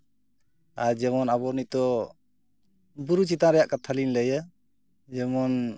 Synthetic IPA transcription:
aɾd͡ʒɛmɔnabɔɾnit̪ɔ | buɾut͡ʃit̪aɾɛjaʔkat̪ʰalinləjə | d͡ʒɛmɔn

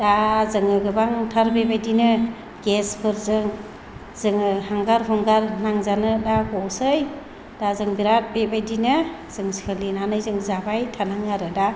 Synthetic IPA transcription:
dazɯŋɯɡɯbaŋtʰaɾbebajdinɯ | ɡespʰɯɾzɯŋ | zɯŋɯhaŋɡaɾɦɔŋɡaɾnaŋzanɯdaɡɔsɯj | dazɯŋbiɾat̚bebajdinɯz̥ɯŋskʰɯlinanɯjzɯŋzabajtʰanaŋaɾɯda

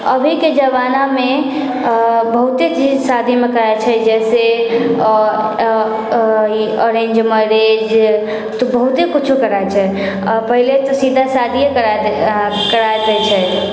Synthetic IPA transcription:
ə̰bʱiked͡ʒəbaname | bəɦut̪et͡ʃid͡ʒsad̪ʱimekəɾaet͡ʃʰɛd͡ʒɛse | iɔɾẽnd͡ʒməɾed͡ʒ | t̪ɔbəɦut̪ekut͡ʃʰukəɾaet͡ʃʰɛ | pəɦilet̪ɔsid̪ʱasad̪ʱijekəɾa | kəɾaet̪ɛt͡ʃʰɛ

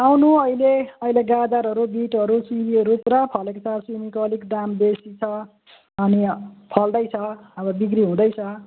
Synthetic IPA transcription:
awnuʌileʌileɡad̪aɾɦʌɾubiʈɦʌɾusibiɦʌɾupuɾapʰʌlekot͡sʰaswimikoʌlikɖambesit͡sʰʌ | ʌnipʰʌld̪ʌjt͡sʰʌʌbʌbikriɦũd̪ʌjt͡sʰʌ

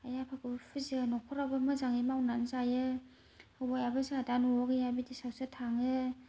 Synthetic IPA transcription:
ajapʰaɡɯpʰɯzinɔkʰɔɾabamɯzaŋimawnanzajɯ | awajabɯzaadanɔɔkɯjabidisawsatʰaŋɯ

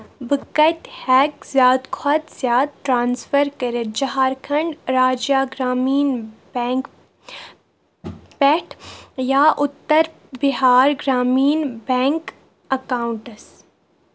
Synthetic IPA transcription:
bɨkɐt̪ʲhɛːkzjaːd̪kʰɐt̪z̥jaːd̪̚ʈɾaːnsfəɾkɐɾəd͡ʒɐɦaːɾkʰɐɳɖɾaːd͡ʒjaːɡɾaːmiːnbɛŋk | pɛʈʰjaːʔʊt̪ːəɾ | bɪɦaːɾɡɾaːmiːnbɛ̃ːŋk | ɐkaːʊɳʈɐs

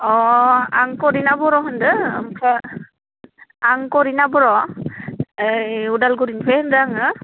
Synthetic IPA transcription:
ɔa̰ŋkɔɾinabɔɾɔɦɯndɯ̰mkʰa | aŋkɔɾinabɔɾɔ | judalɡuɾinpʰendaŋɯ

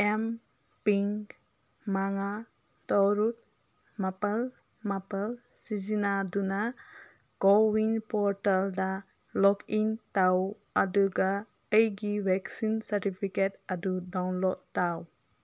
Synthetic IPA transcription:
em | piŋ | maŋa | tɔɾut̚ | mapal | mapal | sizinaduna | ɡ̥ɔwiŋpɔɾtalda | lɔkintaw | aduɡa | ejɡibɛksinsaɾtipʰiket̚adudawnlɔt̚taw

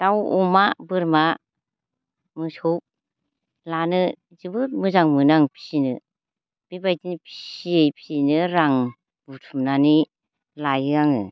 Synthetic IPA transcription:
tawɔmabɯɾma | mɯsup̚ | lanɯ | zɯbɯt̚mɯzaŋmɯnaŋpʰi̥sinɯ | b̥ibajtinipʰi̥siejpʰisinɯɾaŋ | b̥utʰumnani | lajɯaŋɯ

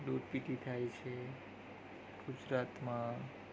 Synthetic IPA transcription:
luʈpiʈit̪ʰajt͡ʃʰe | ɡ̥ud͡ʒɾat̪mã

